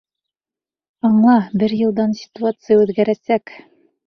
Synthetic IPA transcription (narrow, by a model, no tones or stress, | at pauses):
ɑɴlˠɑbɘɾjɤ̆lˠd̪ɑnsʲɪ̥t̪uat̪sɨjəʉðɡæɾæsæk